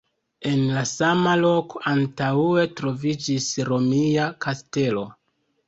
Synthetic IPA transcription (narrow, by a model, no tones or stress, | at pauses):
e̞nlasamalo̞koʔantaue̞tɾo̞vid͡ʒisɾo̞miakaste̞lo̞